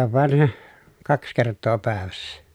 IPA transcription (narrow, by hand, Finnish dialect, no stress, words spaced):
oʋ ʋɑˑen kɑks kertˑoː pæˑeʋæsːæ